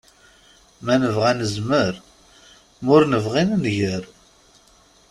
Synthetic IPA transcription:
mænəvʁænəzməɾ | mʊɾnəvʁinnʝəɾ

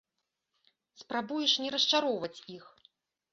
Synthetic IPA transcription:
spɾabujɛʂnʲɛɾɐst͡ʂaɾɔwvɐt͡sʲix

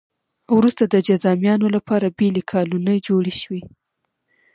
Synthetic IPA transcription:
wɾust̪ad̪əd͡ʒazɑmjɑnolapɑɾabelekʰɑlunəjd͡ʒoɽiʃwi

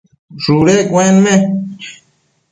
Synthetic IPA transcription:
ʐuɾekwẽnmẽ

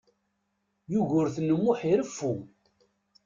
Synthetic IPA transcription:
juʝʊɾθənːəmːʊħiɾəfːu

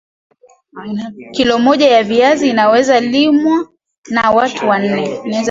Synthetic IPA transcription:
kilɔmɔʄajaviaziːnawɛzalimwa | nawatʰuwan̩nɛnaɛz

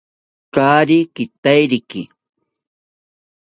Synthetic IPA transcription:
kaːɾɪkɪt̪ajɾɪkɪ

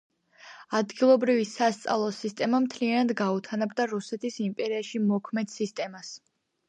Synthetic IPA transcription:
ad̪ɡilˠɔbɾivisast̪sʼa̰vlˠɔsist̪ʼɛmamt̪ʰlianad̪ɡaut̪ʰanabd̪aɾusɛt̪ʰisimpʼɛɾiaʃimɔkʰmɛd̪̥sist̪ʼɛmas

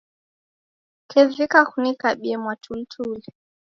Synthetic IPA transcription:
kʰɛvikaxunikaɓiɛmwatʰultʰulɛ

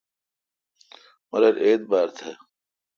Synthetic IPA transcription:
mɐɾɐɾʔeːt̪̚baːɾt̪ʰe

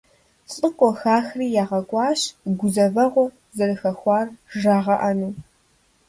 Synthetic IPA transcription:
t͡sʼɨqʷʼɔxaːxriːjaːʁɐkʷʼɑːɕɡʷʊzɐvɐʁʷɔ | zɐrɨxɐxʷɑːrʒaːʁɐʔɐnuː

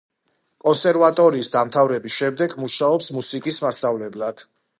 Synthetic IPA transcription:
kʼɔnsɛɾvat̪ʼɔɾiːsd̪amt̪ʰavɾɛbisʃɛmd̪ɛɡmuʃaɔpsmusikʼismasavlɛblad̪̥

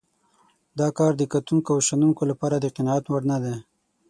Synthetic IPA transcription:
d̪ɑkɑɾd̪əkat̪uŋkoawʃanuŋkolapɑɾad̪əqɪnɑat̪waɽnad̪e

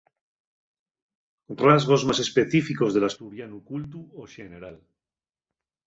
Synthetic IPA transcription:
razɣ̞o̞zmase̞spe̞θifiko̞zðe̞last̪uɾjanukult̪uoʃene̞ɾal

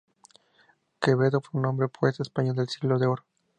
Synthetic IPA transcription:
keβeðofweunombɾepwesespaɲold̪elsiɣlo̞ðeoɾo

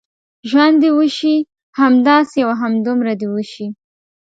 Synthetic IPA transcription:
ʒwand̪ewəʃi | hamd̪ɑsejawaɦamd̪ʊmɾad̪ewəʃi

